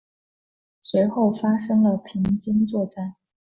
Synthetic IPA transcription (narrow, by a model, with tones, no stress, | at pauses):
swe˧˥ɪxo˥˩ʊfa˥ʂɤ˥ŋlə˨pʰi˧˥ŋt͡ɕi˥ŋt͡swɔ˥˧ʈ͡ʂa˥˩ɪ